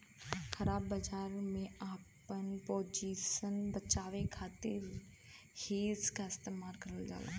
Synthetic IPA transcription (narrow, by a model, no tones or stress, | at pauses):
kʰɐɾaːbːɐd͡ʒaːɾmẽaːpənpoːd͡ʒiːsənbət͡ʃaːʋekʰaːt̪ɪɾ | heːzkaɪst̪eːmaːlkɐɾəld͡ʒa̰ːla̰ː